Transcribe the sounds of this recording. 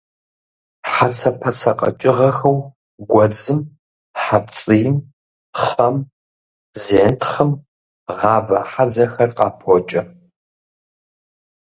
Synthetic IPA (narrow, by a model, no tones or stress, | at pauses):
ħat͡sʰɐpʰɐt͡sʰɐqʼɐ̰t͡ʃʼɪʁɐxɐw | ɡʷɐd͡zɨm | ħapt͡sʼɨjɪm | χɐm | zeːntʰχɐm | ʁɑːbɐħad͡zɐxɐrqʼɑ̰ːpʰot͡ʃʼɐ